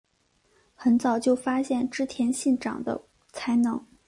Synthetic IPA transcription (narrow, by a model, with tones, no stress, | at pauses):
xə˧˥nt͡sɑ˨˩ʊt͡ɕjo˥˩ʊfa˥ɕjɛ˥˩nʈ͡ʂɻ̩˥t̪ʰjɛ˧˥nɕi˥˩nʈ͡ʂɑ̰˨˩ŋd̪ə̰˦ | t͡sʰa˧˥ɪnɤ˧˥ŋ